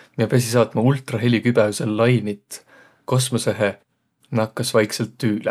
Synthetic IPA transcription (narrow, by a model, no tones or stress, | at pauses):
miepæs̬ʲisɑːt̪mɑult̪rɑɦe̞lʲikyb̥ɛuselːɑjnit̪ːˑ | ko̞smoseɦe | nɑkːˑɑsvɑjkselt̪ːyːlɛ̰